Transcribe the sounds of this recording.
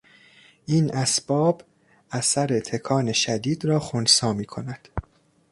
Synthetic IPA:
ʔiːnʔæsb̥ɒːb | ʔæsæɾe̞t̪ʰe̞kʰɒːne̞ʃæd̪iːd̪ɾɒːxonsɒːmiːkʰo̞næd̪̥

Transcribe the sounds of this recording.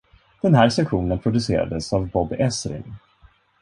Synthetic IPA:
d̪̥ɛnɦæːɾʂɛkɧuːnənpʰɾʊd̪ɵseːɾa̰d̪əsavbɔbɛsɾɪ̰n

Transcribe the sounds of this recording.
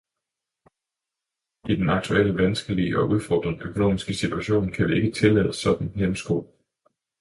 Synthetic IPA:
id̥enɑ̈ɡ̥̚t͡sʰuel̰əʋænsɡ̥əliʔɒ̽ʔuð̞ˠfɒːd̥ʁɐnøkʰo̝no̝̰ːmisɡ̥əsit͡sʰuæɕo̝̰ːnkʰæʋie̝ɡ̥ət͡sʰe̝lɛ̰ːðˠəsɒ̽d̥n̩hemm̩sɡ̥o̰ːl

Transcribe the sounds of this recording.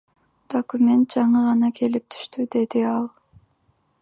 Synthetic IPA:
d̪̥okumʲe̞nt̪̚d͡ʒɑɴɯʁɑnɑkʰe̞lip̚t̪ʰy̥ʃt̪yd̪e̞d̪iɑlˠ

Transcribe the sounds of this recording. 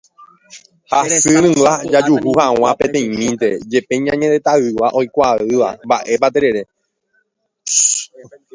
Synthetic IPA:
hasɨɾɨ̃wad͡ʒad͡ʒuhuhaw̃ãpẽ̞t̪ẽ̞ĩmĩnt̪e̞d͡ʒe̞pe̞ɲãɲẽnet̪aɨʋaʔo̞jkʷaɨʋa̰mba̰ʔe̞p̬at̪eɾe̞ɾe̞

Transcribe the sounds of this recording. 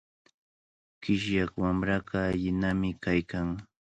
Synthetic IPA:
kɪʃjakwamɾaɢɑːʎɪnamɪkajkaŋ

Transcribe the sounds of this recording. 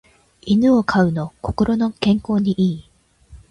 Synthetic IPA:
inɯ̟o̞kʰaɯ̟no̞ko̞̥ko̞ɾo̞no̞kẽŋko̞ːɲ̟iʔiː

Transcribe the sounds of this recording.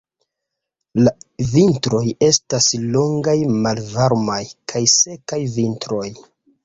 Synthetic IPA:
lavintɾo̞je̞staslo̞ŋɡajmalvaɾmajkʰajse̞kajvintɾo̞j

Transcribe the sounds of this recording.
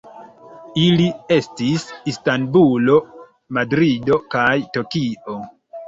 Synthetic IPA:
ilie̞stisistanbulo̞ | madɾido̞kajto̞kio̞

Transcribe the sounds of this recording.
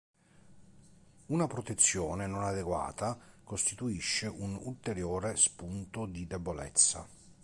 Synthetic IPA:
unapɾot̪et̪sːjɔːnenonad̪eɡwa̰ːt̪akost̪it̪uiʃːeʔunult̪eɾjoːɾespunt̪od̪id̪ebolɛ̰t̪sːa̰

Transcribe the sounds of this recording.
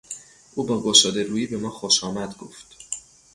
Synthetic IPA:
ʔuːbɒːɡoʃɒːd̪eɾuːjiːbe̞mɒːxoʃɒːmæd̪ɡo̰ft̪

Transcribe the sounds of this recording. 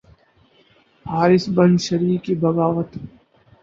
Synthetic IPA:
haːɾɪsbɐ̃nd̪ʃɐɾiːkibɐɡaːʋət̪

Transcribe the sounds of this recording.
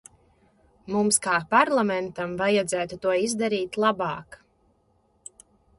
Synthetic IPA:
mumskaːpaɾlˠamɛnt̪amvajad̪zæːt̪ut̪uɔizd̪aɾiːt̪lˠabɑːk

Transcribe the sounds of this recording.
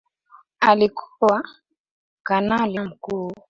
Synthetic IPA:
alikʰuwa | kanalim̩kuː

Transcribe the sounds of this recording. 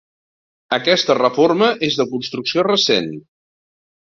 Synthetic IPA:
əkɛst̪ərəforməʔezðəkunst̪ɾuksiorəsen

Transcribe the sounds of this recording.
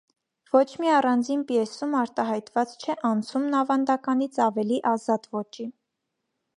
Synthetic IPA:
vɔt͡ʃʰmiɑrɑnd͡zinpiɛsumɑɾt̪ɑɦɑjt̪vɑt͡st͡ʃʰɛʔɑnt͡sʰumnɑvɑnd̪ɑkɑnit͡sʰɑvɛliʔɑzɑt̪vɔt͡ʃi

